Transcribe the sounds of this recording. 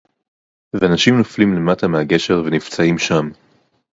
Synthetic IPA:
veanaʃimnoflimle̞mat̪ameaɡe̞ʃe̞ʁvenivt͡saimʃam

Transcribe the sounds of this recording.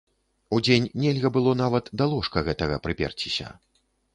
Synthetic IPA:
ud͡zʲenʲnʲɛlʲɣɐbɨlˠɔnavɐt̪d̪alˠɔʂkɐɣɛt̪ɐɣɐpɾɨpʲɛ̰rt͡sʲisʲɐ̰

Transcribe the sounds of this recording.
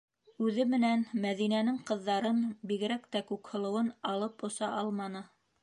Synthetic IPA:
ʉðɘmɘ̆nænmæðinænɘŋqɤ̆ðːɑɾɤnbiɡɘ̆ɾækt̪ækʉkhɤ̆lˠɤ̆wɤnɑlˠɤpŏsɑʔɑlˠmɑnɤ

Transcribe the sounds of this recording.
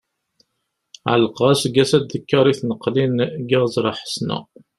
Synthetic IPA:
ʕə̰lqɑsɡæsæd̪ːəkːɑɾˤiθnəqːlinɡɪʁzˤɾˤɑħə̥snə̰

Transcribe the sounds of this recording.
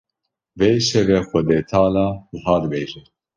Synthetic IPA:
veːʃɛvɛxʷɛd̪eːt̪ʰɑːlɑːd̪ɨɦɑːd̪beːʒɛ

